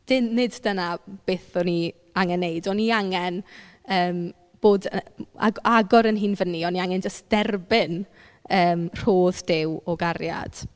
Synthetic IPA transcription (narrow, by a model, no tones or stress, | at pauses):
d̥ɪnɪddənab̥eːθɔni | aŋɛnːejdɔniaŋɛn | əːm | b̥oːda̰ɡaɡɔɾənɦiːnvənːiɔniaŋɛnd͡ʒəst̚d̥ɛrbɪn | əːmr̥oːðdɪwɔɡarja̰d̥